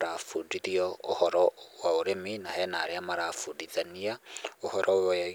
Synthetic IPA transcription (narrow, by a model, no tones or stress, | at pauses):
ɾafudiðiɔohɔɾɔwaoɾeminahɛnaɾeamaɾafudiðaniaohɔɾɔojɔja